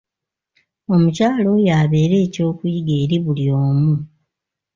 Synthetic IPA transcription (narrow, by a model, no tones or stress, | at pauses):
o̞mucaːlo̞jaβe̞ːɾe̞ːco̞ːkuiɡe̞ːɾiβulio̞ːmu